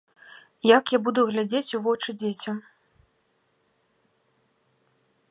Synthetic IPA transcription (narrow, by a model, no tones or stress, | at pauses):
jakjabud̪uɣlʲad͡zʲet͡sʲuvɔt͡ʂɨd͡zʲet͡sʲɐm